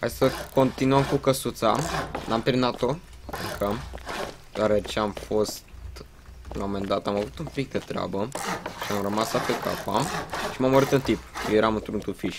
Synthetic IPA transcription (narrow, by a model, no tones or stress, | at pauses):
a̰jsəko̞nt̪inuəmkukəsut̪sanamt̪eɾinat̪o̞ | ɨ̰ŋkʰəm | d̪̥oaɾet͡ʃeamfo̞st̪ | la̰me̞md̪at̪amavut̪umpik̚d̪et̪ɾea̰bəʃiamrəmasapeka̰pamʃimamːəɾit̪ɨnt̪ipojeɾamɨnt̪ɾunt̪ufiʃ